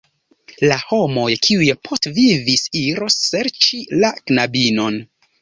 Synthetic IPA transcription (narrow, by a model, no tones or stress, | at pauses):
laho̞mo̞jkʰiujepʰo̞stvivisiɾo̞sːe̞ɾt͡ʃilaknabino̞n